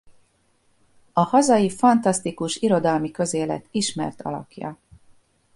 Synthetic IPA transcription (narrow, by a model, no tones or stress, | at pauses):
ɒhɒzɒjifɒnt̪ɒst̪ikuʃiɾo̞d̪ɒlmikøzeːlɛ̰t̪iʃmɛ̰rt̪ʰɒ̰lɒ̰kjɒ̰